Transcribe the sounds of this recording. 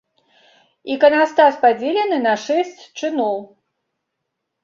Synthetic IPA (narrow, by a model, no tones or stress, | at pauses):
ikɐnast̪aspad͡zʲelʲɛnɨnɐʂɛsʲt͡sʲt͡ʂɨnɔw